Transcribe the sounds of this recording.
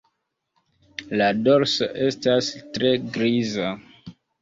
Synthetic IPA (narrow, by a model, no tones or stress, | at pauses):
lado̞ɾso̰ʔe̞stastɾe̞ɡɾiza